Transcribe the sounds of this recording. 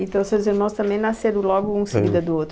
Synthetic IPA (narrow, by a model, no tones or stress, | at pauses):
ẽnt̪ɐ̃w̃seziɾmɐ̃w̃st̪ɐ̃mbẽj̃naseɾʊ̃lɔɡʊũseɡid̪ɐd̪ʊot̪ɾʊ